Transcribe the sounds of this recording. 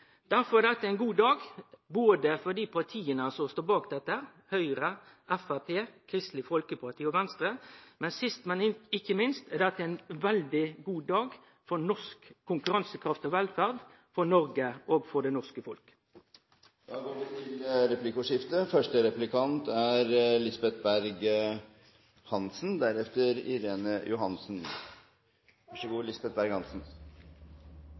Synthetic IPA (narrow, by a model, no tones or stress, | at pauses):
d̪̥æɾfɔɾɛd̪ɛt̪ːəɛɪnɡuːd̪ɑːɡboːd̪əfɔd̪iːpʰɑʁt̪ʰiːənəsɔst̪oːbɑːkd̪ɛt̪ːəhæɾhœʏɾə | ʔɛfæpʰeːkʰɾɪst̪lɪfɔlkəpʰɑɾt̪ʰiːɔʋɛnst̪ɾəmɛnsɪst̪mɛnɪɪçːəmɪnst̪ɛd̪ɛt̪ːəæɪnʋɛld̪ɪɡuːd̪ɑːɡ | fɔɾnɔskkʰːʊŋkʉɾɑnsəkʰɾɑft̪ɔʋɛlfæʁd̪ | fɔʁnɔɾɡəʔoːɡfɔʁɖ̪ɛnɔʁskəfɔlk | d̪̥ɑːɡoːʋɪt̪ʰɪlɾɛplɪkʊʂɪft̪əfœʂʈəɾɛplɪkʰɑnt̪æɾlɪsbɛt̪̚bæɾɡ | hɑnsnd̪æɾɛft̪əɾɪ̰ɾeːnəjʊɦɑnsn | ʋɑʂəɡuːlɪsbɛt̪̚bæɾɡhɑnsn